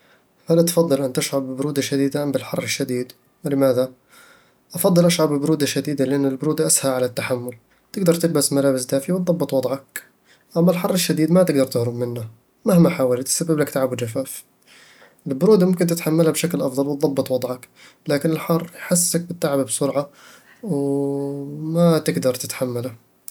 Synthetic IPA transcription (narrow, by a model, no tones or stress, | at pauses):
halʔt̪fɑd̪ˤːɨlʔant̪aʃʕabbʊɾuːd̪aʃad̪iːd̪ambɪlħɑ̰rˤːɪʃːad̪iːd̪ | wɪlɪmaːða | ʔɑfɑd̪ˤːɨlʔaʃʕabɪbʊɾuːd̪aʃad̪iːd̪alɪʔanːɪlbʊɾuːd̪aʔashaʕalat̪ːaħamːʊl | t̪ɪɡd̪ɑɾˤt̪ɪlbasmalaːbɪsd̪aːfiwt̪̚ˤðˤɑbːɨt̪ˤwɑd̪ˤʕɑk̚ | ʔamːalħɑrˤːɪʃːad̪iːd̪mat̪ɪɡd̪ɑɾˤt̪ɪhɾʊbmɪnːa | mahmaħaːwɪlt̪ːsabːɪblakt̪aʕabd͡ʒafaːf | ʔɪlbʊɾuːd̪amʊmkɪnt̪ɪt̪ħamːalhabʃaklʔɑfðˤɑlwɪt̪̚ˤðˤɑbːɨt̪ˤwɑd̪ˤʕɑk | laːkɪnɪlħɑrˤːjħasːak̚bɪt̪ːaʕababsʊɾʕɑ | w | mat̪ɪɡd̪ɑɾˤt̪ɪ̥t̪ħamːala